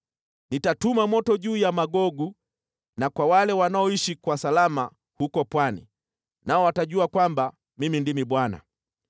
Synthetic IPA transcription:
nitatumamɔtɔʄuːjamaɡɔɡu | nakwawalɛwanaɔiʃikwasalama | hukɔpwanḭ | naɔwataʄuakwamba | mimindimiɓwana̰

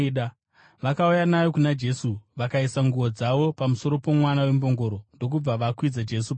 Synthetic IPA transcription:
ɗa | ʋakaujanajo̞kunad͡ʒe̞suʋakaisaŋɡuʋo̞d͡zaʋo̞pamuso̞ɾo̞po̞mwanawe̞mbo̞ŋɡo̞ɾo̞ndo̞k̬ub͡vaʋakwid͡zad͡ʒe̞sup

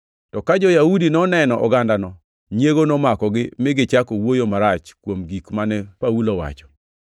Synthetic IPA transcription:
tɔkad͡ʒɔjaudinɔnɛnɔʔɔɡandanɔ | ɲjeɡonɔmakɔɡɪmɪɡɪt͡ʃakowojomaɾat͡ʃkwomɡikmanɛpawulowa̰t͡ʃɔ̥

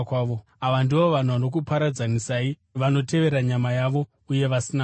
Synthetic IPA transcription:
kwaːʋo | aʋandio̞ʋan̤uʋano̞k̬upaɾad͡zanisai | ʋano̞te̞ʋe̞ɾaɲamajaʋo̞ | uje̞ʋasina

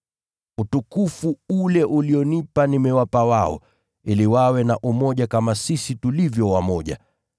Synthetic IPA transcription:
utukufuulɛʔuliɔnipanimɛwapawaɔ̰ | iliwawɛnaʔumɔʄakamasisitulivjɔwamɔʄa̰

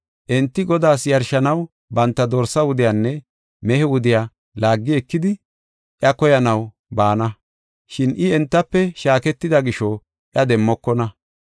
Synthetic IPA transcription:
ʔɛnt̪ːɪɡɔd̪aːsjɐɾʃɐnɐw | bɐnt̪ːɐd̪oːɾsːɐwʊd̪ɪjanːɛ | mɛhɛwʊd̪ɪjaː | laːɡːɪɛkːɪd̪ɪ | ʔjɐkɔjɐnɐw | baːnɐ | ʃɪnʔɪɛnt̪ːɐpːɛʃaːkɛt̪ːɪd̪ɐɡɪʃɔ | ʔjɐd̪ɛmːɔkːɔnɐ

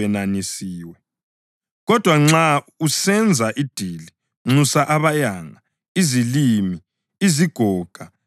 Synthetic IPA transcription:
ɛnanisiːwɛ | ɣɔd̥ʱwaŋ͡ǁa | usɛnd͡zʱaʔid̥ʱili | ŋ͡ǁusaʔaβajaŋa | izilimi | iziɡ̥ʱɔːɡ̥ʱa

